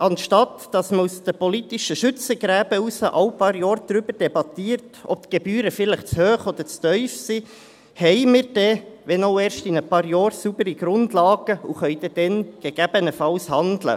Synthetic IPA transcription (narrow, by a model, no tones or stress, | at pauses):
ʔɑnʃtɑtd̥ɑsməusd̥̪əpɔlit̪iʃəʃʏt͡səɡ̥ɾæːbəusəʔɑwpɑːɾjɑːɾd̪̥ɾʏbəɾd̥ɛbɑt̪iːəɾtɔ̰p̚t̪ɡ̥ebyːɾəfɪləχt͡shøːχɔd̥̪əɾt͡stœʏfsi | hɛɪmɪɾd̥ɛʋɛnoʊɛːɾʃtinəpɑːɾjɑːɾsubəɾiɡ̥ɾʊndlɑːɡ̥əuχœʏd̥ɛd̪̥ɛnɡ̥eɡ̥æb̥ənəfɑwshɑndlə̰